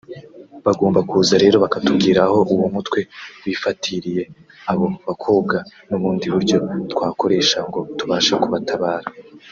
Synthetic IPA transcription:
βaɡoːmbakuzaɾe̞ːɾo̞βakatubɡiːɾaho̞ʔuwumutwe̞wiːfatʰiɾije̞ | aβo̞βakʰo̞ːb̚ɡanuβuːndiβuɾɟo̞twaːko̞ɾe̞ʃaŋɡo̞tuβaːʃakuβatʰaβaːɾa

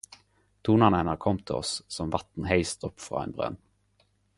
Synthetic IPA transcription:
t̪ʰuːnɑnɛnəɾkʰɔmːt̪ʰɪɔ̰ssɔmvɑt̪n̩ɦeɪst̪ɔpːfʁɑ̰ːɛḛnbʁœ̰n

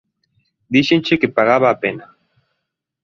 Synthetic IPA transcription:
d̪iʃent͡ʃekepaɣaβaːpena

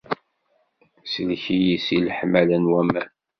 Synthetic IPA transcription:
səlçijisilħmælənwæmæn

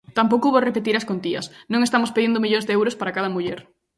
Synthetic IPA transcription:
t̪ampowkoβorepet̪iɾaskont̪iɐ̰snõŋest̪amospeðind̪ʊmiʎõŋzðeewɾospaɾakað̞ɐmuʎɛɾ

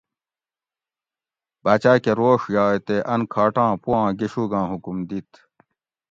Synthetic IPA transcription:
bat͡ɕaːkeɾoːʂjɑːet̪eʔɐnkʰaːʈãːpuãːɡiɕuɡãːɦukumd̪it̪

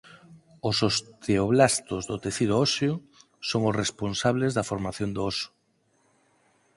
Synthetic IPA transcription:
osost̪eoβlast̪ozðot̪eθið̞oɔsjo | soŋʊsresponsaβlezðɐfoɾmaθjond̪oɔso̥

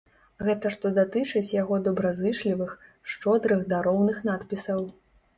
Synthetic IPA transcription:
ɣɛt̪ɐʂt̪ɔd̪at̪ɨt͡ʂɨt͡sʲjaɣɔd̪ɔbɾazɨʂlʲivɨx | ʂt͡ʂɔd̪ɾɨɣd̪aɾɔwnɨxn̪at̪pʲisɐw

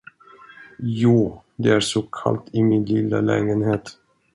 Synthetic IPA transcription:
juː | d̪ɛæʂɔkʰa̰lt̪ʰɪmɪnlɪlːa̰lɛ̰ːɡənɦeːt̪

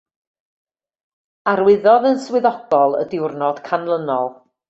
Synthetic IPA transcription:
arwɪðɔðənswɪðɔɡ̥ɔlˠə̰dɪwrnɔd̥kʰanlˠənɔlˠ

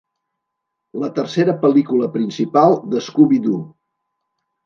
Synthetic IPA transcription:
lət̪ərseɾəpəlikuləpɾinsipalˠd̪əskuβid̪u

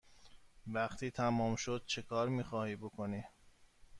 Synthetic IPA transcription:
væχt̪ʰiːt̪ʰæmɒːmʃod̪̥̚t͡ʃʰe̞kʰɒːɾmiːxɒːhiːbokʰoniː

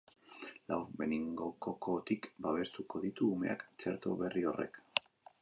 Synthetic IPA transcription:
lawbe̞niŋɡo̞koko̞t̪ikbaβ̞e̞st̪uko̞ðit̪uːme̞̰akt͡se̞ɾt̪o̞βe̞rio̞re̞̰k

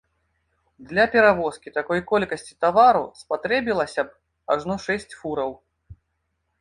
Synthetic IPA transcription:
d̪lʲɐpʲɛɾavɔskʲit̪akɔjkɔlʲkɐsʲt͡sʲi̥t̪avaɾṵspat̪ɾɛbʲilˠɐsʲɐb | aʐnɔʂɛsʲt͡sʲfuɾɐw

